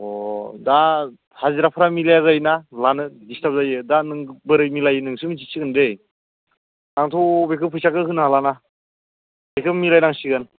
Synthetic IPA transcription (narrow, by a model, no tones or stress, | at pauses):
ɔda | haziɾapʰɾamilajaɣajnalanɯdistap̚zajɯdanɯŋbɯɾɯjmilajɯnɯŋsɯmis̬ʰisiɡɯnɾej | naŋtʰobekʰɯpʰujsakɯɦɯnɦalana | bejkʰɯmilajnaŋsiɡɯn